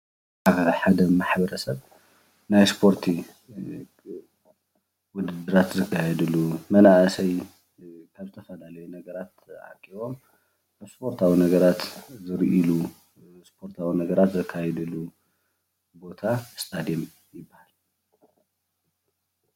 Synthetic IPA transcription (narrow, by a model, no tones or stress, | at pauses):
aħad̪ɐmaħbɐɾɐsɐβ | najspʰo̞ɾt̪ʰi | wʊd̪ɨd̪ɨɾat̪zɨkʰːajɛd̪ɨlːumɐnaʔsɐj | kʰaβzɨt̪ʰɐfɐlalɐjunɐɡɐɾat̪ʔa̰kʼːiβo̞m | aspʰo̞ɾt̪ʰawinɐɡɐɾat̪zɨɾʔilu | spʰo̞ɾt̪ʰawinɐɡɐɾat̪zɨkʰːajɛd̪ɨlːu | bo̞t̪ʰast̪ʼad̪ijem | jɪbːahal